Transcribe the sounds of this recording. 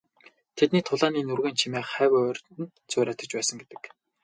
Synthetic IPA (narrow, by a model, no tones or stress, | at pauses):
t̪ʰet̪niːt̪ʰʊɮaːniːnurɣeːnt͡ɕʰimeːχæːwæːœrʲt̪ɘ̆n | t͡sʰʊːɾæːt̪ə̆t͡ɕpæːsə̆ŋɡet̪ɘ̥̆k